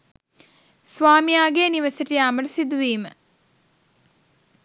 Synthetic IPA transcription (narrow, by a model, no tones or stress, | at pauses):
sʋaːmijaːɡeːniʋəsəʈijaːməʈəsid̪uʋiːmə